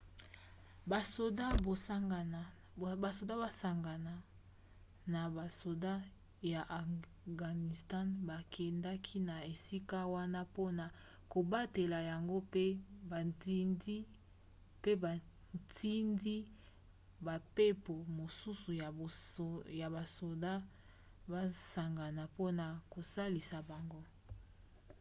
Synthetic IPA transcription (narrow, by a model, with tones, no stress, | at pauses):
ba˨so˨da˦ba˦ŋɡn˨ | ba˨so˨da˦ba˨sa˨ŋɡa˨na˨ | na˨ba˨so˨da˦ | ja˨ʔa˨ | ɡa˨ni˨sta˦nba˨kʰɛ˨nda˦kʰi˦na˨e˨si˦ka˦wa˦na˦po˦na˨ | ko˨ba˦te˨la˨ja˨ŋɡo˦pe˦ba˨ti˦ndi˦ | pe˦ba˨ | tʰi˦ndi˦ | ba˨pe˦po˨mo˨su˦su˨jja˨ba˨so˨da˦ | ba˦sa˨ŋɡa˨na˨po˦na˨ko˨sa˦li˨sa˨ba˨ŋɡo˦